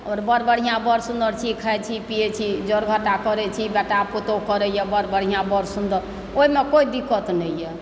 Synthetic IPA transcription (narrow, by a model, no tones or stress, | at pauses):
ɔːɾbəɾbəɽ̤ijãbəɾsũnd̪əɾt͡ʃʰikʰaɛt͡ʃʰipijet͡ʃʰid͡ʒɔɾɡʱəʈakəɾɛt͡ʃʰibɛʈaput̪okəɾɛjɛbəɾbəɽ̤ijãbəɾsund̪əɾ | oɦimekoid̪ikət̪nɛjjɛ